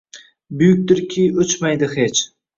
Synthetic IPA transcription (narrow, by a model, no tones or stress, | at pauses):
bʊjʊk̚ʲd̪ɪɾkʲʰijɵt͡ʃmajd̪ɪhet͡ʃʰ